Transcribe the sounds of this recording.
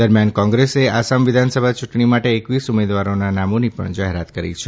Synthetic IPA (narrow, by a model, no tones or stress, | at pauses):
d̪əɾmjankɔ̃ŋɡɾeseasamʋɪd̪ʱansəbʱat͡ʃuʈɳimaʈeːkʋisumed̪ʋaɾonanamonipə̰ɳd͡ʒaɦeɾat̪kəɾḭt͡ʃʰe